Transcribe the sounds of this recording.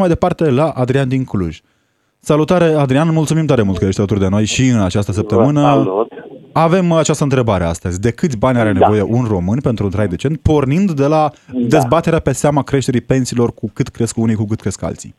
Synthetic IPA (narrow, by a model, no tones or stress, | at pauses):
majd̪epart̪e̞laʔad̪ɾiand̪iŋklṵʒʲ | salut̪aɾead̪ɾianmult̪sumimt̪oaɾemult̪kəje̞ʃt̪alət̪urʲd̪e̞no̞jʃiɨnat͡ʃast̪əs̬əp̚t̪əmɨnə | ave̞mat͡ʃast̪əɨnt̪ɾe̞baɾe̞a̰st̪əzʲd̪e̞kɨt̪sʲbanʲaɾene̞vo̞je̞ʔunro̞mɨnʲpe̞nt̪ɾunt̪ɾajd̪e̞t͡ʃe̞nt̪̚po̞rnind̪ːe̞lad̪e̞zbat̪e̞ɾeape̞seamakɾe̞ʃt̪e̞ɾipe̞nsiːlo̞rkukɨt̪kɾe̞skunikukɨt̪kɾe̞ska̰lt̪sḭ